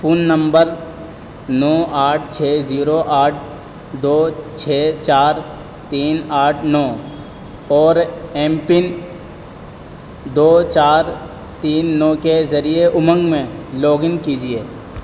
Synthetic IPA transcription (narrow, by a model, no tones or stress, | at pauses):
fʰuːnːə̃mbəɾ | nɔːʔaːʈ̚ʰt͡ʃʰeːziːɾoʔaːʈ̚ʰ | d̪oːt͡ʃʰeːt͡ʃaːɾ | t̪iːnaːʈʰnɔː | ɔːɾẽːmpɪn | d̪oːt͡ʃaːɾ | t̪iːnːɔːkezɐɾieʔʊmə̃ŋɡmẽloːɡɪ̃ŋkiːd͡ʒieː